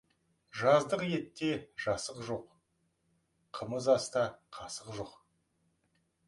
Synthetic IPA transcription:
ʒɑzd̪əqje̞t̪ːe̞ʒ̥ɑsəqʒo̞q | qʰəməzɑst̪ɑqʰɑsəqʒoq

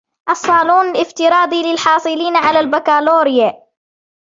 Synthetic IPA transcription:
ʔɑsˤːɑːluːnɪlɪft̪ɪɾɑːd̪ˤilɪlħɑːsˤɨliːnaʕalalbakaːloːɾɪja

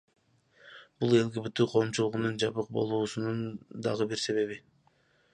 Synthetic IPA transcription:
b̥ulˠe̞lɡibyt̪ːyqʰo̞ːmt͡ʃulˠuʁunund͡ʒɑβɯq̚bo̞̰lˠuːsunund̪ɑʁɯbiɾse̞βe̞βi

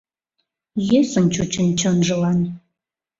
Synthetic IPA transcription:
jesənt͡ɕut͡ɕənt͡ɕɤnʒɤ̆lɑn

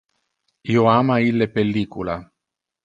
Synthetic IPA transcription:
ioaːmailːepelːiːkula

